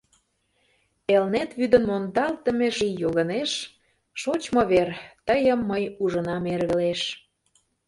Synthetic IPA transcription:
elnet̪βyd̪ə̆nmond̪ɑlt̪ə̆meʒiːolə̆neʃ | ʃot͡ɕmoβert̪əjəmːəjuʒənɑmerɣə̆leʃ

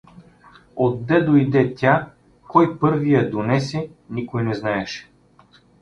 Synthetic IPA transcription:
od̪ːɛd̪ojid̪ɛt̪ʲa | kɔjpɤɾvijɐd̪onɛsɛnikojnɛznaɛʃɛ̥

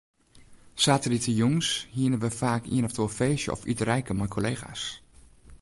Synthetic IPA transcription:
saːtəritʰəjuŋshiənəʋəfaːkʰḭənɔftofeːsjə̰ɔ̰fytrɛjkəmajkʰoleːɣa̰ːs

